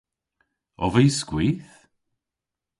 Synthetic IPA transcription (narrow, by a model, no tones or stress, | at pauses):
ɔ̰vəjskwiːθ